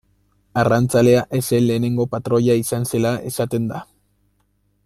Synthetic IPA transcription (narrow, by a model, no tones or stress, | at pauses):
arant͡sale̞aʔe̞sele̞ːne̞ŋɡo̞pat̪ɾo̞ʎaisanse̞lae̞̰sat̪e̞nd̪a